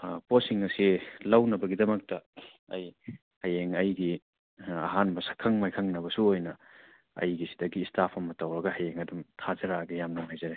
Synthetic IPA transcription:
posiŋɐsilɐwnɐbɐɡidɐmɐk̚tɐ | ɐj | hajeŋɐjɡi | ɐ̰ɦanbɐsɐkʰːɐŋmajkʰɐŋnɐbɐsuojnɐ | ɐ̰jɡisi̥dɐɡiːstʰapʰɐmːɐtɐwɾɐɡɐhajeŋɐdumtʰazɐɾaɡɐjamnɐmajzɐɾe

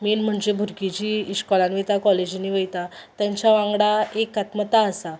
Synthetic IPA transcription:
melm̤əɳd͡ʑebʱuɾkid͡ʑiːiɕkɔlanʋit̪akɔled͡ʑiniʋəjt̪at̪jaɲt͡ɕjaʋãŋɡɽaekat̪mət̪aəsa

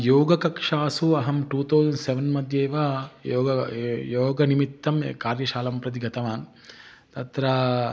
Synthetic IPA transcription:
joːɡɐkɐkʂaːsuɐɦɐmʈuːt̪ɐwzɐnseʋɐnmɐd̪ʱjeːʋaːjoːɡɐjoːɡɐnimit̪ːɐmkaːɾjɐʃaːlɐmpɾɐt̪̬iɡɐt̪ɐʋaːn | t̪ɐt̪ɾɐ

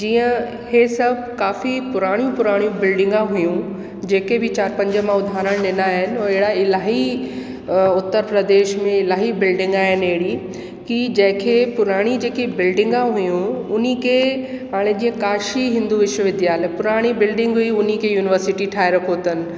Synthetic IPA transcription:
d͡ʑiːə̃ | hesɐbʱ | kaːfipʊɾaːɽ̃jũpʊɾaːɽ̃jũbɪlɖɪ̃ŋɡãɦʊjũ | d͡ʑeːkebʱɪt͡ɕaːɾpɐ̃ɲd͡ʑəmãʊd̪ʱaːɾəɽ̃ɗɪnaːɦɪnɪ̆ɔːɾeɦɪɽaɪlaːɦi | ʊt̪ːəɾpɾəd̪eːʃmẽɪlaːɦibɪlɖɪ̃ŋɡaːɦɪneɦɽi | kid͡ʑɐ̃ɦɪ̃kʰepʊɾaːɽ̃id͡ʑeːkebɪlɖɪ̃ŋɡãɦujũʊnikʰe | ɦaːɽ̃ed͡ʑiːə̃kaːʃiɦɪ̃nd̪uʋɪʃəʋɪd̪jaːlepʊɾaːɽ̃ibɪlɖɪ̃ŋɡɦuiʊnikʰejuːnɪʋəɾsɪʈiʈʰaːeɾɐkʰot̪ənɪ̆

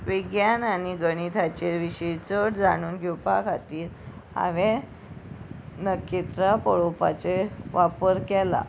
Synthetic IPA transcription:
ʋiɡjananiɡəɽ̃it̪ʰat͡ɕeʋiɕet͡səʈd͡zaɽ̃uːnɡʱipakʰat̪iːɾ | a̰ʋẽ | nəkːet̪ɾapəɭopa̰t͡seʋapəɾkɛla̰

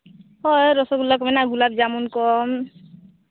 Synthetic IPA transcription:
hɔjɾɔsɔɡulakɔmɛnaɡulabd͡ʒamunkɔm

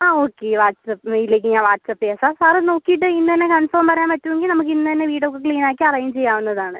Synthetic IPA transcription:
aːoːkːeʋaːʈsɐpilːeːk̬ʲːɨɲãːʋaːʈsɐpːijaːsaːrsaːrno̞ːkːijiʈ̬ːɨinːɨt̪ɐnːekɐnfoːmpɐɾɐjaːnmpɐtːuʋe̞ŋɡilnɐmuk̬ːinːɨt̪ɐnːeʋiːɽokːɐkɭiːnaːkːiɐrɐjumt͡ɕe̞jːaːʋunːɐðaːɳɨ

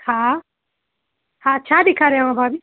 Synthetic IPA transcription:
hã | hãɐʃʰabʱikʰaɾeʋãbʱabi

